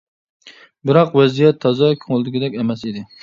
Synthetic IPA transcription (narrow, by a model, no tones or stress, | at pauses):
bɪɾɑqwɛzijɛt̪ʰːɑzɑkʲʰoŋlˠɨd̪ɪɡʲɪd̪ɛkʲɛmɛsed̪ɪ